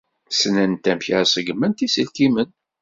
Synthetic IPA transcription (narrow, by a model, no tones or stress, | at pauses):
snænt̪æmçæsəɡmːənt̪isəlkimən